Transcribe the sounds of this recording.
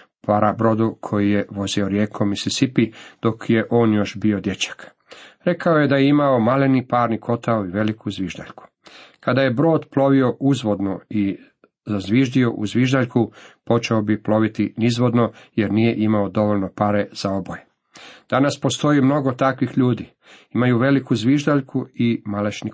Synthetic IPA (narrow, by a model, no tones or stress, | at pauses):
paɾabɾo̞d̪ukʰo̞jije̞ʋo̞zioɾjeːkʰo̞misisipid̪̥o̞kje̞ʔo̞ːnjo̞ʃbio̞d̪jet͡ɕḁk | ɾe̞kaoje̞d̪ajeimaomalenipaːɾnikʰo̞t̪aoiʋe̞likuzʋiʒd̪a̰ʎku̥ | kad̪aje̞bɾo̞ːd̪plo̞ʋio̞ʔuzʋo̞d̪no̞i | zazʋiʒd̪io̞ʔṵzʋiʒd̪aʎkupo̞t͡ʃeobiplo̞ʋit̪inizʋo̞d̪no̞jeɾnije̞ʔimaod̪o̞ʋo̞ʎno̞paɾe̞z̥ao̞boje | d̪̥anaspo̞st̪o̞imno̞ɡot̪akʋixʎuːd̪i | imajuʋe̞likuzʋiʒd̪aʎkʰuimalet͡ʃni